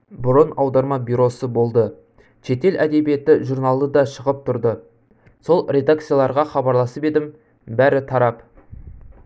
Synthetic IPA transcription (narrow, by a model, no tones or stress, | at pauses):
bʊɾənɑwd̪ɑɾmɑbʲijɾo̞səbo̞lˠd̪ə | ʃe̞t̪e̞lʔæd̪e̞bije̞t̪ɪʒurnɑlˠd̪əd̪ɑʃəʁəp̚t̪ʰʊɾd̪ə | so̞lˠɾʲe̞d̪ak̚t̪sɨjalˠɑɾʁɑχɑbɑɾlˠɑsəpe̞d̪ɪm | bæɾɪt̪ʰɑɾɑp